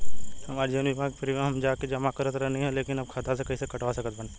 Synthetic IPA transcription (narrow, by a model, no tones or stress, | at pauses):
hɐmaːɾd͡ʒənbimãkpɐɾimaɦɐmd͡ʒaːked͡ʒɐmakɐɾɐt̪ɾɐnĩɦɛ̃leːkɪnɐb̚kʰat̪ʰasekɐɦĩsekɐʈʋasɐkət̪̚bɐn